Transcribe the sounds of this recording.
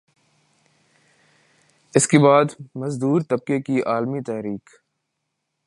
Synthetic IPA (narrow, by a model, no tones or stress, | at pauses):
ɪskebaːd̪mɐzd̪uːɾt̪ɐb̚kekiʔaːlmit̪ɛɦɾiːk